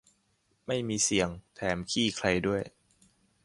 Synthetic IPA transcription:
ma˥˩jmiː˧si˨˩˦əŋt̪ʰɛː˩˦mkʰiː˥˩kʰɾa˧jdu˥˩əj

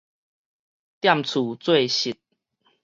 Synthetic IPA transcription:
t̪ja˥˨mt͡sʰu˨˩t͡swe˥˨ɪɕi˨˩t̪̚

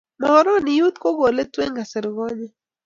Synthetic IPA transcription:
ma˨ɔ˦ɾɔ˦ni˨ju˦t̪ko˦ɣo˨lɛ˦twe˦ŋɡa˨sɪ˨ɾɣɔ˦ɲɛ˦

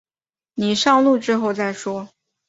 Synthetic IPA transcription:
ni˨˩ʂɑ˥˧ŋlu˥˧ʈ͡ʂɻ̩˥xo˥˧ʊt͡sa˥˩ɪʂwɔ˥

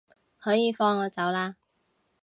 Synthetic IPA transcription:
hɔː˨˥jiː˨˧fɔː˧ŋːɔː˨˧t͡sɐ˨˥wlaː˧

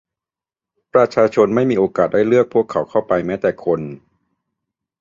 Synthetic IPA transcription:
pɾa˧t͡ɕʰaː˧t͡ɕʰo˧nma˥˩jmiː˧ʔoː˧kaː˨˩t̪̚da˥˩jlɯ˥˩ək̚pʰu˥˩əkʰːa˩˦wkʰa˥˩wpa˧jmɛː˦˥t̪ɛː˨˩kʰo˧n

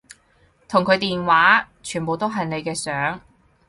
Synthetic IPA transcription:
t̪ʰʊ˨˩ŋkʰɵ˨˧ɥt̪iː˨nwaː˨˥ | t͡ʃʰyː˨˩npo˨wt̪o˥wɦɐ˨jne˨˧jkɛː˧sœː˨˥ŋ

